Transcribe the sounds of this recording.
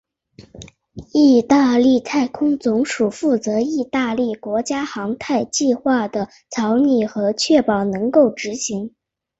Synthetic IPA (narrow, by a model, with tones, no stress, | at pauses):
i˥˧t̪a˥˧li˥˧t̪ʰa˥˩ɪkʰʊ˥ŋt͡sʊ˧˥ŋʂu˨˩fu˥˩t͡sɤ˧˥i˥˧t̪a˥˧li˥˩kwɔ˧˥t͡ɕja˥xɑ˧˥ŋt̪ʰa˥˧ɪt͡ɕi˥˧xwa˥˩d̪ə˩ | t͡sʰɑ˧˥ʊni˥˩xɤ˧˥t͡ɕʰɥɛ˥˩pɑ˨˩ʊnɤ˧˥ŋko˥˩ʊʈ͡ʂɻ̩˧˥ɕi˧˥ŋ